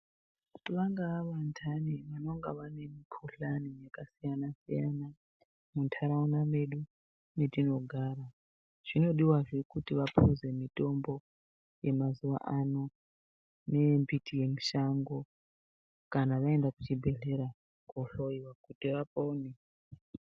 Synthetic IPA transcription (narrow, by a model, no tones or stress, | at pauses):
βaŋɡaaβantʰaniβanoŋɡaβanemikʰuɬaniɲakasijanasijana | muntʰaɾaunameɗu | nedino̞ɡʱaːɾa | ʐ̥ino̞ɗiwaʐekʼutʼiβapʰuzemitʼombo | jemazuʋa̰ʔano | nembitʰʼijemiʃaŋɡo | kʼanaʋaendaku̥t͡ʃibʱeɮeɾa | kʼoɬoiwakutʼiβapʼone